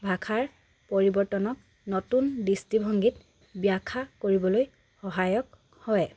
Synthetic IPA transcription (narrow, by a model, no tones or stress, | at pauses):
bʱakʰaɹ | poɹibɔɹtɔnɔk̚ | nɔtundistibʱɔŋɡit | bijakʰakoɹibɔloj | xɔɦajɔk̚ | hɔjɛ